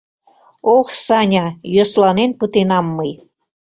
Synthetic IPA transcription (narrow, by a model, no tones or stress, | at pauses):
oχsɑnʲɑjøslɑnenpət̪enɑmːɤj